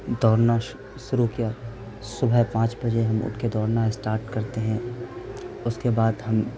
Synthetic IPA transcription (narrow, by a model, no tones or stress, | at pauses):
d̪ʱɔːɾna | ʃʊɾukija | sʊbʱɛpãːt͡ʃbɐd͡ʒeɦɐmʊ̰ʈʰked̪ʱɔːɾnaesʈaːɾʈkɐɾt̪eɦɛ̃ | ʊskebaːd̪ɦɐm